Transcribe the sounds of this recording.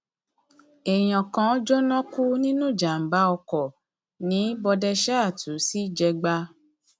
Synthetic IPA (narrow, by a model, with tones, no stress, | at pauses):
ɛ˨j̃ã˨kã˨˦d͡ʒɔ˦nɔ̃˦ku˦nĩ˦nũ˦˨d͡ʒa˨m̩˨ba˧˦ɔ˧kɔ˨ | nĩ˨˦bɔ˧dɛ˧ʃɛ˦a˦˨tʰu˨˦si˦˨d͡ʒɛ˧ɡ͡ba˧